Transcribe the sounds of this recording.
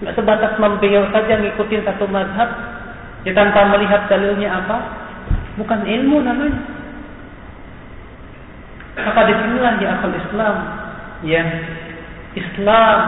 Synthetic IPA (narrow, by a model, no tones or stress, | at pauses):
masəbant̪asmambejawsad͡ʒamŋikut̪ɪnsat̪umazɦap̚ | jat̪ant̪aməliɦat̪̚d̪alɪlɲaapa | bukanilmunamaɲa | makadisinilahjaːkalislam | ja | islam